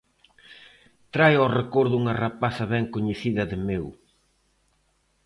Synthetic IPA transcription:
t̪ɾajɔrekoɾðuŋɐrapaθɐβɛŋkoɲeθiðɐðɪmew

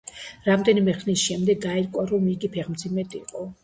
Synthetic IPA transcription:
ɾamd̪ɛnimɛχnisʃɛmd̪ɛɡɡaɛɾkʼwaɾɔmiɡipʰɛʁmd̪zimɛd̪ʼiqʼɔ

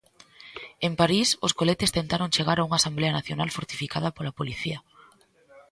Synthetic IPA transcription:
empaɾisʊskolet̪est̪ent̪aɾoŋt͡ʃeɣaɾauŋasambleɐnaθjonalfoɾt̪ifikað̞ɐpolapoliθiɐ

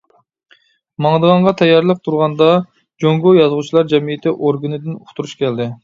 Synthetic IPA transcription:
mɑŋd̪əʁɑɴʁɑt̪ʰɛjːɑɾlˠəq̚t̪ʰuɾʁɑnd̪ɑ | d͡ʒoŋɡojɑzʁut͡ʃʰilˠɑɾd͡ʒɛmijɪt̪ʰɪʔoɾɡɨnɨd̪ɪnuχt̪ʰuɾuʃkʲɛld̪ɪ

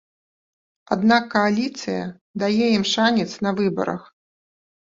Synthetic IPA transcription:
a̰d̪nakːɐalʲit̪sɨjɐ̰ | d̪ajɛimʂanʲɛt̪snɐvɨbɐ̰ɾɐ̰x

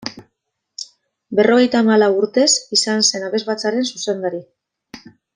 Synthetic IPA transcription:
be̞ro̞ɣ̞e̞jt̪aːmalawuɾt̪e̞sisanse̞naβe̞zβat͡saɾe̞nsuse̞nd̪aɾi

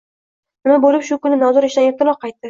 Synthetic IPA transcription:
nɪmabolɪpʃʊkʊnɪnazʊɾeʃd̪anef̚t̪ɪnɒqʰːɑjt̪̚ːɪ

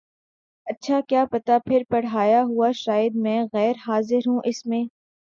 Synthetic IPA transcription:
ɐtːʃʰakjaːpɐt̪apʰɪɾpɐɽɦaːjaɦuaʃaːjəd̪̚mɛ̃ːɣɛːɾɦaːzɪɾɦũʔɪsmẽː

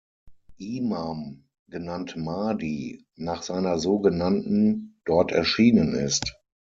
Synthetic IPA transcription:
ʔiːmam | ɡənantmaːdiː | naːχz̥aɪnɐzoːɡənantn̩d̥ɔɐtɛ̰ɐʃiːnənɪ̰st

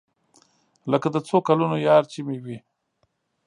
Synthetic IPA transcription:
ləkad̪ət͡sokalunojɑɾt͡ʃimewi

